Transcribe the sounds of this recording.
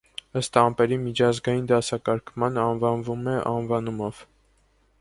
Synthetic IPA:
əst̪ɑmpɛɾimit͡ʃʰɑzɡɑjind̪ɑsɑkɑɾkʰmɑnɑnvɑnvumɛʔɑnvɑnumɔv̥

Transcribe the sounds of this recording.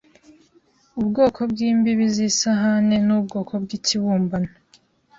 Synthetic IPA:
uβɡo̞ːkʰo̞bɡiːmbiβizisaɦane̞nubɡo̞ːkʰo̞bɡiciβuːmbana

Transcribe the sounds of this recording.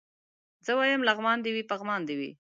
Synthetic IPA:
zəwɑjəmlaɣmɑnd̪ewipaɣmɑnd̪ewḭ

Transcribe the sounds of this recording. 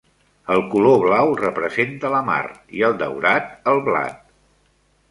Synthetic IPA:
əlˠkuloβlawrəpɾəzent̪ələma̰riəlˠd̪ə̰wɾat̪əlˠβla̰t̪̚

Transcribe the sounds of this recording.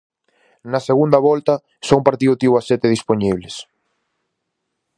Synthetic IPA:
nɐseɣund̪ɐβɔlt̪ɐ | soŋpaɾt̪iðʊt̪iβwɐsɛt̪eðisponiβles

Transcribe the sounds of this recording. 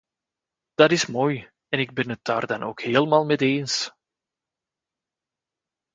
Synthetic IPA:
d̥ɑtɪsmoːj | ɛnɪɡ̚bɛnət̚d̥a̰ːrdɑnʔo̰ːkheːlˠəmaːlˠmɛteːns

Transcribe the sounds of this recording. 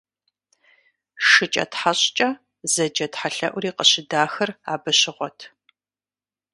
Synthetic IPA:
ʂɨt͡ʃʼɐ̰tħaɕʼt͡ʃʼɐ | zɐd͡ʒɐtħaɬɐʔʷʊɾiːqəɕɪdaːxɐraːbɐɕɪʁʷɔtʰ

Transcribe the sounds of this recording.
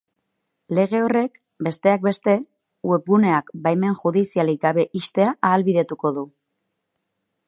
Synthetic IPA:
le̞ɣ̞e̞o̞re̞k | be̞st̪e̞ak̚be̞st̪e̞ | we̞p̚ɣune̞akbajme̞nxuðisialiɡaβe̞ʔist̪e̞aʔaːlβiðe̞t̪uko̞ðu

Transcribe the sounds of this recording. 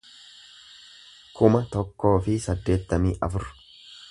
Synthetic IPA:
kʰʊmɐt̪ɔkːo̞ːfɪsɐd̪ːe̞ːt̪ːɐmiːʔɐ̰fʊɾ

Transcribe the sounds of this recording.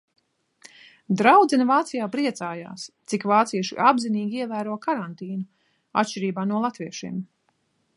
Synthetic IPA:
d̪ɾawd̪zɛnvaːt̪sijaːpɾiɛt̪saːja̰ːst̪sikvaːt̪siɛʃḭʔabziniːɡʲiiɛvæːɾuɔkaɾant̪iːnu | a̰t̪ʃt͡ʃʲiɾiːbaːnuɔlˠat̪viɛʃḭɛːm

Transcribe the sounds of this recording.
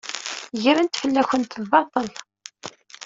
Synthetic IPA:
ʝiɾænt̪fəlːæçənt̪ðvɑt̪ˤəl

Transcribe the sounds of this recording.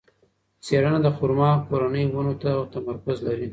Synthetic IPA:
t͡seɽənad̪əxʊɾmɑkoɾanəjwanot̪aːwt̪amaɾkʊzlaɾi

